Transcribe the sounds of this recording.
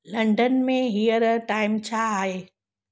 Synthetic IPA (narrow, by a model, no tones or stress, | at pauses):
lɐ̃ɳɖənmẽɦijəɾʈaːɪmt͡ɕʰaaːɦeː